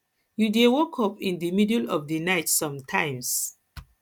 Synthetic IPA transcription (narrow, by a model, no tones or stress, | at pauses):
judewɔkʰɔpĩndimidəlɔfdinaɪtsɔ̃mtʰãɪ̃ms